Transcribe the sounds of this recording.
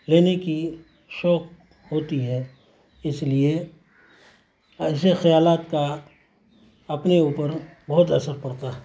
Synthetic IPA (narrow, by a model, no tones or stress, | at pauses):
leːneki | ʃɔːk | ɦoːt̪iɦɛ | ɪslie | ɐsexɐjaːlaːt̪ka | ɐpneuːpəɾbɐɦʊt̪ɐsəɾpɐɽt̪aːɦ